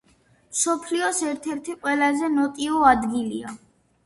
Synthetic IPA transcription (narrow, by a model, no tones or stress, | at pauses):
msɔpʰliɔsɛɾt̪ʰɛɾt̪ʰiqʼwɛlazɛnɔt̪ʼiɔad̪ɡilia